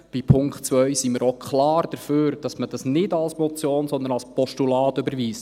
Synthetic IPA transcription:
b̥ipʰʊŋktt͡sʋœjsiməɾokχlɑːrd̥əɾføːɾd̥ɑsməd̥ɑsnɪdɑlsmɔt͡sjoːnsɔnd̪ənɑlspɔʃtulɑːtøbəɾʋiːsə

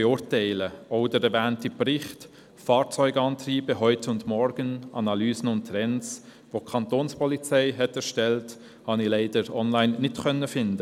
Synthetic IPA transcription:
ɛʊɾtaɪləɔʊdəɾɛɾvæːntiprɪχt | fɑːɾt͡sɔʏɡɑːntɾiːbəɦœʏtʊndmɔɾɡ̥ənʔɑ̰nɑlyːsən̩ʊnttːɾɛns | ʋokʰɑntoːnspɔlit͡sɛɪɦɛtɛɾʃtɛlt | hɑnɪlaɪdəɾɔnlaɪnːɪtkœnːəfɪndə

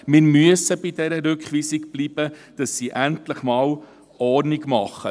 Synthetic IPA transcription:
miɾmyəsəbidɛɾəɾøkχvisikb̥libəd̥ɑsːiʔæntləχmɑːl | ʔɑːrnikmɑχə

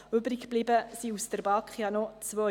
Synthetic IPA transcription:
ʏbɾikb̥libəsiustəɾbɑːkχjɑnɔt͡sʋœ

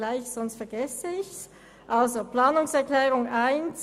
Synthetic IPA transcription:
laɪçsɔnstfɛɐɡɛsəɪçs | ʔalzoplaːnʊŋsɛɐklɛːʁʊŋaɪns

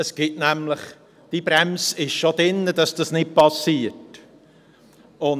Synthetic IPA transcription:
əsɡ̥ɪtnæmləχ | d̥ibɾɛmsɪʃʃod̥ɪnːəd̥ɑsd̥ɑsnɪt̚pɑsiːət | ʊn

